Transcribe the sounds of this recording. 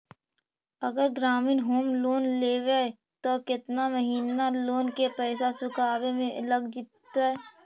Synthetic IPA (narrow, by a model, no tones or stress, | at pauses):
ɐɡəɾɡɾaːmɪːnɦoːmloːnleːʋe | t̪okɪt̪naməɦiːnaloːnkepɛːsasʊkʰaːbemẽʔələɡd͡ʒɪt̪ːaɛ